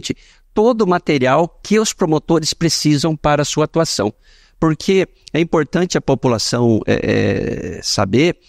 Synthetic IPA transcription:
t͡ʃɪ | t̪od̪ʊmat̪eɾiawkʰɪʊspɾomot̪oɾɪspɾesizɐ̃w̃paɾɐsuɐat̪uasɐ̰̃w̃ | poɾkʰe | ɛĩpoɾt̪ɐ̃nt͡ʃɪɐpopulasɐ̃w̃ɛ̰ɛ̰ɛsa̰beɾ

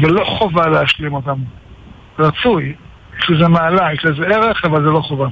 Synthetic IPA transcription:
zɛloχovaleaʃlimot̪am | ʁat͡suj | ʃluzɛmaːlaiʃlɛzɛeʁeχavalzɛloχova

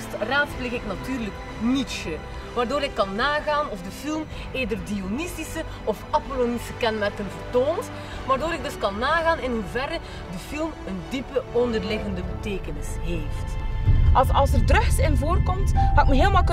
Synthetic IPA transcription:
straːtspleɣɪknatyːrlək | nitsə | ʋaːrdoːɾɪkːɑnːaːɣaːnɔfdəfilˠm | eːdərdionisisə | ɔfɑpoloːnisəkɛnmɛrkənvərtoːns | ʋaːrdoːɾɪɡ̚dɵskɑnːaːɣaːnɪnɦuvɛɾə | dəfilˠməndipəɔndərlɪɣəndəbəteːkənɪsɦeːftʔɑɑlˠsərdrɵxsɪnvoːrkɔmthaɪkməɦeːlˠəmalˠk

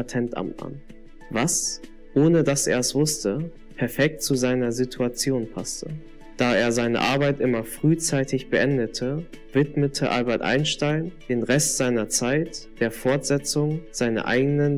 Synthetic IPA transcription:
atʰɛntʔa̰mtma̰n | vas | ʔoːnədasḛːɐɛsv̥ʊstə | pʰɛɐfɛk̚tt͡suzaɪnɐzitʰuat͡sjoːnpʰastʰə | d̥aːeːɐzaɪnə̰ʔaɐbaɪtʔɪmɐfʁ̥yːt͡saɪtʰɪçb̥əʔɛndətʰə | vɪtmətʰəʔa̰lbɛɐtʔa̰ɪnʃtaɪnd̥eːnʁɛstz̥aɪnɐt͡saɪtd̥eːɐfɔɐtz̥ɛt͡sʊŋz̥aɪnɐ̰ʔa̰ɪɡənən

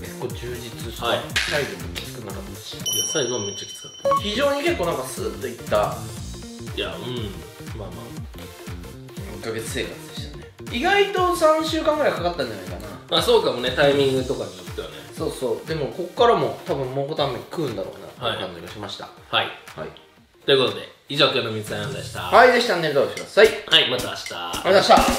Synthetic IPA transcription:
ke̞̥kːo̞ːd͡ʑɨːd͡ʑit͡sɨaisaid̪omokʲːi̥sɨ̥kɯnːakat̪ːaɕi̥jasaiɡo̞met͡ɕːḁkʲi̥t͡sɨ̥kḁt̪ːḁçiʑo̞ːɲ̟ike̞kːoːnãŋkasɨ̰ːt̪ːo̞it̪ːa | ja̰ɯ̟̃ɴ | maːmaː | ikːaɡe̞t͡sɨ̥se̞ːkat͡sɨd̪e̞ɕi̥t̪ane | iɡait̪o̞sãɕɨːkãŋɡɯɾaeɡkakat̪ːãɲ̟d͡ʑanaikanamaːsoːkamone̞t̪aimʲĩŋɡɯ̟t̪o̞kat͡ɕot̪ːojoneso̞ːsso̞ːd̪e̞mo̞ko̞kkːaɾamo̞t̪abɯ̟̃mmoːkot̪amẽɲ̟ikɯ̟ːɯ̃nd̪aɾo̰ːna̰t̪o̰ḭkãɲd͡ʑiɡaɕimaɕi̥t̪a̰haiha̰ḭ | t̪o̞jɯ̟ko̞t̪o̞d̪e̞̰ | iʑokɯanomʲizɨ̥sãjãnd̪eɕi̥t̪a̰haid̪e̞ɕi̥t̪aneɾɯd̪aoɕikɯd̪asaihaimat̪aaɕi̥t̪a̰memaɕt̪a

